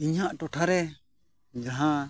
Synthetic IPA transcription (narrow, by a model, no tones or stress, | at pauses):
iɲhaʔʈɔʈʰaɾɛ | d͡ʒaɦã